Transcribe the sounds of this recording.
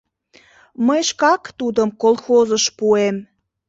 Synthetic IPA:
məjʃkɑkt̪ud̪əmkolxozəʃpuem

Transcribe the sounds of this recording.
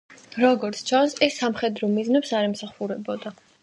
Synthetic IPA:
ɾɔɡɔɾt̪sʰt͡ʃʰansɛsːamχɛd̪ɾɔmiznɛpsaɾɛmsaχuɾɛbɔd̪a

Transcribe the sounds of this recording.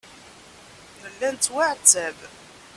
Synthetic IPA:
məlːænt̪ːwaʕt͡sːæð

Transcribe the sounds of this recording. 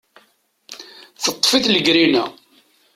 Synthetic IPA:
θət̪ˤːfiθləɡɾinæ̰

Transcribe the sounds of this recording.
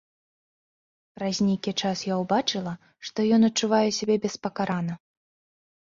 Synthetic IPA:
pɾazʲnʲejkʲit͡ʂasjawbat͡ʂɨlˠɐ | ʂt̪ɔjɔnɐtt͡ʂːuvajɛsʲabʲɛbʲɛspɐkaɾanɐ

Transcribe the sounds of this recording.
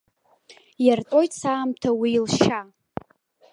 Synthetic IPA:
jartʼojtsaːmtʰawiːlʃa

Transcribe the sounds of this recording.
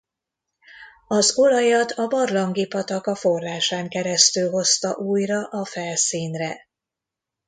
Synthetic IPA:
ɒzo̞lɒjɒt̪ʰɒbɒrlɒŋɡipɒt̪ɒkɒfo̞rːaːʃaːŋkɛɾɛst̪ylɦo̞st̪ɒ̰ʔuːjrɒʔɒfɛlsiːnrɛ

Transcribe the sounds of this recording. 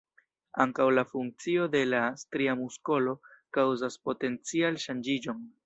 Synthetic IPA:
aŋkawlafuŋk̚t͡sio̞de̞lastɾiamusko̞lo̞kawzaspo̞te̞nt͡sialʃand͡ʒid͡ʒo̞n

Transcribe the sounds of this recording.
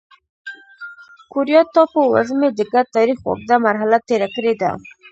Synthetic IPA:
kuɾjɔt̪ɔpowa̰zmed͡ʒɪɡat̪aɾixwɔ̰ɡ̚d̪amaɾɦalat̪eɾakɾed̪a̰

